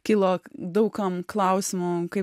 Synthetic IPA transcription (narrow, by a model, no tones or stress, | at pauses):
kʲɪlˠoːd̪ɐʊkɐmklˠɐʊsʲɪmʊkɐɪ